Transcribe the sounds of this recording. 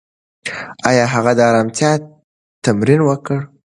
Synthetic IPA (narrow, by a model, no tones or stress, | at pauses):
ɑjɑɦaɣad̪əɑɾɑmt̪jɑ | t̪ːamɾinwəkəɽ